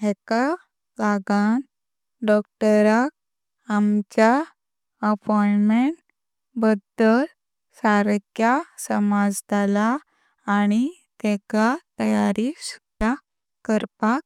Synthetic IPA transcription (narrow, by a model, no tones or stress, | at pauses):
ɦeka | baɡan | ɖɔk̚ʈəɾak̚ | amt͡ɕa | əpɔjɳmeɳʈ | bəd̪əl | saɾəkjasəmad͡zd̪alaː | ñi | t̪ɛkat̪əjaɾis | a | kəɾpak̚